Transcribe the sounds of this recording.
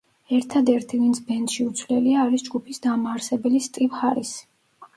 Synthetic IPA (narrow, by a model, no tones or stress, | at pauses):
ɛɾt̪ʰad̪ɛɾt̪ʰivint̪sʰbɛnd̪ʃiut̪sʰvlɛliaːɾisd͡ʒɡupʰisd̪amaːɾsɛbɛlist̪ʼipχaɾisi̥